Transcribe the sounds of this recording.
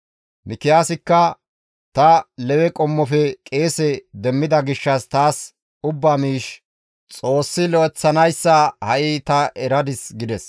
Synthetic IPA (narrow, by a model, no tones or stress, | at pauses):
mɪkɪjaːsɪkːɐ | t̪ɐlɛwɛkʼɔmːɔfɛkʼe̞ːsɛd̪ɛmːɪd̪ɐɡɪʃːɐst̪aːs | ʊbːaːmiːʃ | t͡sʼo̞ːsːɪlɔʔɛt͡sːɐnɐjsːɐhɐʔɪt̪ɐʔɛɾɐd̪ɪsɡɪd̪ɛs